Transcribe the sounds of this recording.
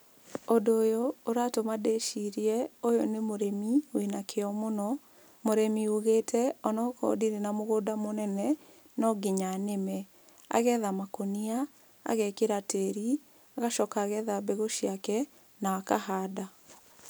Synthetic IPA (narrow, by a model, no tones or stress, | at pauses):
ondoːjoːɾatomadeʃiɾiɛojonemoɾemiwenakʰeɔmonɔ | moɾemioɣeːtʰɛɔnɔkɔ̰diɾenamoɣodamonɛnɛ | nɔɡeɲanemɛ | a̰ɣɛðamakonia | a̰ɣɛkeɾateɾi | aɣaʃɔkaɣɛðabeɣoʃiakɛ | naakahaːda